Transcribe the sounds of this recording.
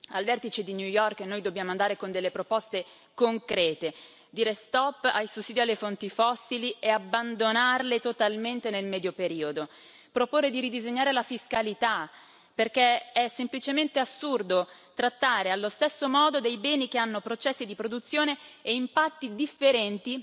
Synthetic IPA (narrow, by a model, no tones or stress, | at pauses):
alvɛrt̪it͡ʃed̪injujɔrknoːjd̪obːjaːmoand̪aːɾekond̪elːepɾopɔst̪e | koŋkɾɛːt̪e | d̪iːɾest̪ɔpːajsusːiːd̪ialːefont̪ifɔsːilieabːand̪onarlet̪ot̪alment̪enelmɛːd̪jopeɾiːod̪o | pɾopoːrːed̪iɾid̪izeɲːaːɾelafiskalit̪a | perkeɛsːemplit͡ʃement̪easːurd̪ot̪ɾat̪ːaːɾealːost̪esːomɔːd̪od̪ejbɛːnik̟eanːopɾot͡ʃɛsːid̪ipɾod̪ut̪sːjoːneːimpat̪ːid̪ifːeɾɛnt̪i